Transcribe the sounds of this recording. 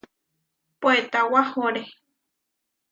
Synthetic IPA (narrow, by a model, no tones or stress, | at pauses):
poet̪awahoɾe